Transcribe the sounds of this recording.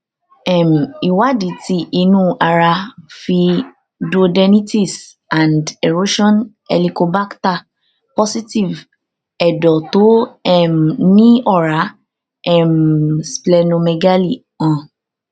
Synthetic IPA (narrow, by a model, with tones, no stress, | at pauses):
ɛ˨m̩˨i˨wa˦di˨˦ti˧˦ʔi˧nũ˦a˧ɾa˧fi˧ | do˧dɛ˧nĩ˦ti˦s | ã˨ndɛ˨ɾo˦ʃɔ̃˦n | ɛ˧li˧ko˧ba˦kta˨ | pɔ˦si˦ti˦˨v | ɛ˨dɔ˨to˨˦ɛ˦˨m˨nĩ˦ɔ˦˨ɾa˨˦ | ɛ˦˨msplɛ˧nõ˧me˧ɡa˦li˦˨ | ã˨